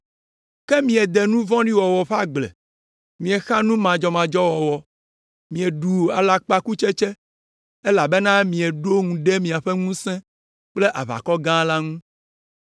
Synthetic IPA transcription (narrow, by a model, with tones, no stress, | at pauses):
kɛ˦mĩ˨ɛ˨d̪e˨nũ˦vɔ̃˦ɖi˦wɔ˨wɔ˨ɸa˦ɡ͡blɛ̰˨ | mĩ˨ɛ˨xa˦nũ˦mã˨d͡ʒɔ˨mã˨d͡ʒɔ˦wɔ˨wɔ˨ | mĩ˨ɛ˨ɖu˨a˨la˦k͡pa˦ku˦t͡ʃɛ˦t͡ʃe˦ | e˦la˨be˦nã˦mĩ˨ɛ˨ɖo˦ŋũ˨ɖe˦mĩ˨a˨ɸe˦ŋũ˦sɛ̃˦ | k͡ple˦ʔa˨βa̰˨kɔ˦ɡã˦la˦ŋũ˦